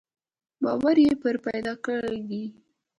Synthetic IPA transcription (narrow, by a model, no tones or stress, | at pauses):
bɑwaɾjepəɾpajd̪ɑkəɽd̪i